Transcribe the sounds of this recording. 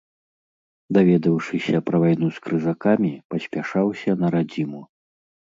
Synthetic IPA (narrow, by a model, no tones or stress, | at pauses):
d̪avʲɛd̪ɐwʂɨsʲɐpɾɐvajnuskɾɨzakamʲipɐsʲpʲaʂawsʲɐnɐɾad͡zʲimu